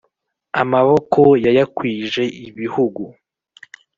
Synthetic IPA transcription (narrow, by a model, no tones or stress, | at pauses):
amaβo̞ko̞jajakwiːʒe̞iβihuɡu